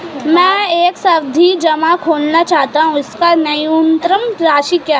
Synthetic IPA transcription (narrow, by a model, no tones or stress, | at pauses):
mɛ̃ːeːksɐɾd̪ʱid͡ʒɐmakʰoːlnat͡ʃaːɦt̪aɦũɪskanɐjunt̪ɾəmɾaːʃikjaː